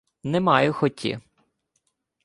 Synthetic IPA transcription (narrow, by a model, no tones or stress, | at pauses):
nɛmɑjʊxɔtʲḭ